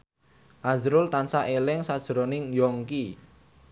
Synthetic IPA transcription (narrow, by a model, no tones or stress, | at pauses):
ʔazɾʊlt̪ansaʔelɪŋsad̥ʒ̥ɾonɪŋjɔŋki